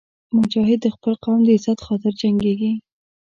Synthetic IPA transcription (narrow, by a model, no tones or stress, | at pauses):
mʊd͡ʒɑɦɪd̪ːəxpəlqawmd̪əɪzat̪xɑt̪ɪɾd͡ʒaŋɡeɡi